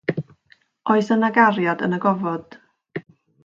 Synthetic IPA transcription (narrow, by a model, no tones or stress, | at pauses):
oɨsənaɡaɾjadə̰nəɡɔvɔd̥